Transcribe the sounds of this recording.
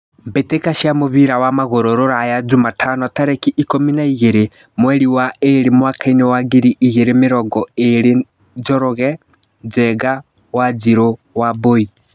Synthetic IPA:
mbetekaʃiamoβiɾawamaɣoɾoɾoɾajad͡ʒumatʰanɔtaɾɛkiʔikominaiɣeɾe | mwɛɾiwaeɾemwakʰainɛwaɡiɾiʔiɣeɾemeɾɔɡɔeɾe | d͡ʒɔɾɔɣɛ | d͡ʒɛɡa | wad͡ʒiɾo | waboi

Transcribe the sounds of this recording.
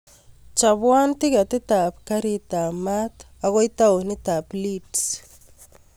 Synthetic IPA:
t͡ʃabwantikatit̪apkaɾit̪amat | aɣojtaonit̪aplids

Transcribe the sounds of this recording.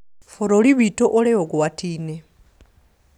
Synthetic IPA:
foɾoliβitoʔoleokuwatʰiːne

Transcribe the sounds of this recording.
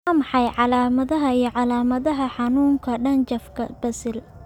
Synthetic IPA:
ɐmɑħɑjʕɑlaːmɐðɐɦɐijɞʕɑlaːmɐðɐɦɐħɑnuːŋkʰɐɖɐnt͡ʃɐfkʰɐbɐsɪl

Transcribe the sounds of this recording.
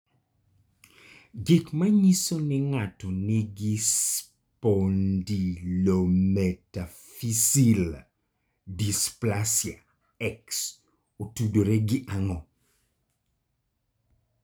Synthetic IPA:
ɡɪkmaɲisonɪŋatɔnɪɡɪs | pondilomɛta | fisil | displasja | ɛks | otudoɾeɡɪʔaŋɔ

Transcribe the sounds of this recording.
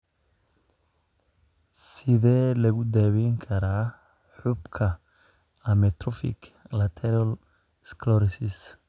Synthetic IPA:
sɪðɛːlɐɣʊd̪aːwɛŋkʰɐɾaː | ħʊbkʰɐ | ɐmɛt̪rɔfɪ̰kʰlɐt̪ʰɛɾɐl | skʰlɔɾɪsɪs

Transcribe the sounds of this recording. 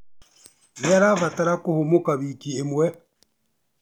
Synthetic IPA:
βaɾaβataɾakohomokaβikiemwɛ

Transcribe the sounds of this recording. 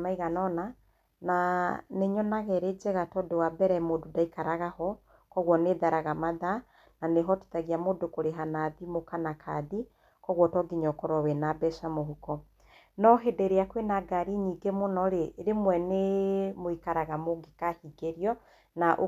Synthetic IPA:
maiɣanɔna | naneɲɔnaɣɛɾed͡ʒɛɣatɔdowabɛɾɛmododaikaɾaɣahɔ | kɔɣwɔneðaɾaɣamaða | naneɦɔtu̥taɣiamodokoɾeɦanaðimokanakʰaði | kɔɣwɔtɔɡiɲɔkɔɾɔwɛnabɛʃamoɦukɔ | nɔɦedeɾeakwenaɡaɾiɲiːɡemonɔɾeɾemwɛnemoikaɾaɣamoɡekahiɡeɾjɔ | naʔo

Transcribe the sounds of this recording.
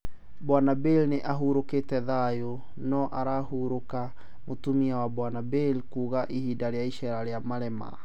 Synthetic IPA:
bwanabelneʔaɦuɾokeːtɛðajo | nɔʔaɾahuɾoka | motumiawabwanabelkuːɣaʔihidaɾeaiʃɛɾaɾeamaɾɛma̰

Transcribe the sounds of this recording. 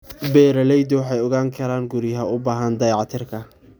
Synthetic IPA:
bɛːɾɐlɛjd̪ɔwɑħɑjɔɣaːŋkʰɐɾaːŋɡʊɾɪɦɐʊbaːɦɐnd̪ɐjʕɑt̪ʰɪrkʰɐ

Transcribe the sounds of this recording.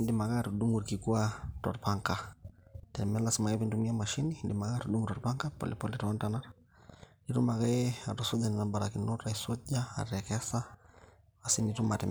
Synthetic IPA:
indimaɣaɾuɗuŋɡuɾkikuatɔɾpaŋka | tɛmɛlasimaɣɛβintumiamaʃiniindimaɣaɾuɗuŋɡutɔɾpaŋkapɔ̰lipɔliɾɔɔntanaɾa | niɾumaɣɛatusɔd͡ʒaninambaɾakinuɾaisɔʄaa̰ɾɛkɛsa | asinitumatɛ̰m

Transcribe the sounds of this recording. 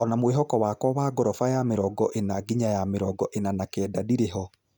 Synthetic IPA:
ɔnamweɦɔkɔwaːkwɔwaːɡɔɾɔfajameɾɔɡɔʔenaɡiɲajameɾɔɡɔʔenanakɛːdadiɾeɦɔ

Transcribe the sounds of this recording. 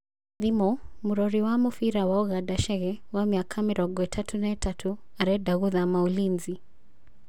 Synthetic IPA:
ðimɔmuɾɔɾiwamufiɾawaɔɣadaʃɛɣɛwamiakʰamiɾɔɡɔɛtʰatʰunaɛtʰatʰuaɾɛdaɣuðamaulinzi

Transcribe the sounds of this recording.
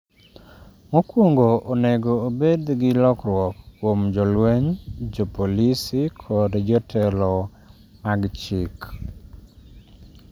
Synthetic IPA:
mokwoŋɡoʔoneɡoːbed̪ɡɪlɔkɾwɔkːwomd͡ʒɔlweɲd͡ʒɔpolisɪkʰɔdd͡ʒɔtʰɛlɔ | maɡt͡ʃɪk

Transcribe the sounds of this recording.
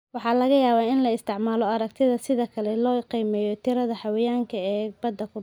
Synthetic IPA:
wɑħɑːlɐɣɐjaːβaːɪnlɐɪst̪ʰɪʕmaːlɔɐɾɐk̚t̪ʰɪðɐsɪðɐkʰɐlɛlɔːqiːmɛːjɔt̪ʰɪɾɐðɐħɑwɪjaːŋkʰɐɛːbɐd̪ːɐkʰʊ

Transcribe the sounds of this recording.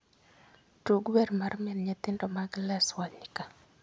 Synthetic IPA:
tuɡwɛɾmarmɛnɲat̪ɪndɔmaɡlɛswaɲɪka

